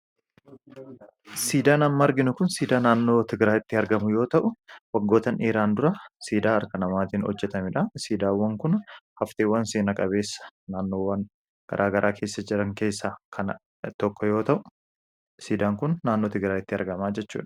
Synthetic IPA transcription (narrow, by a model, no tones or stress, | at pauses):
siːd̪aːnɐmːɐɐɾɡɪnʊkʊnsiːd̪aːnaːnːo̞ːt̪ɪɡɾaːjɪt̪ːɪɐɾɡɐmʊjo̞ːt̪ɐʔʊwɐɡːo̞ːt̪ɐnʔeːɾaːnd̪ʊɾɐsiːd̪aːɐɾkɐnɐmaːt̪iːnhɔ̰d͡ʒːɛt̪ɐmɪᶑɐsiːd̪aːwːɐŋkʊnhɐft̪eːwːɐnseːnɐkʼɐβe̞ːsːɐ̥naːnːo̞ːwɐn | ɡ̥ɐ̰ɾʔaːɡɐɾʔaːkʰe̞ːsːɐd͡ʒɪɾɐŋke̞ːsːaːkʰɐn | t̪ɔkːɔjo̞ːt̪ɐʔʊ | siːd̪aːŋkʊnːaːnːo̞ːt̪ɪɡɾaːjɪt̪ːɪɐ̰ɾɡɐmaːd͡ʒɛt͡ʃːṵːᶑɐ̥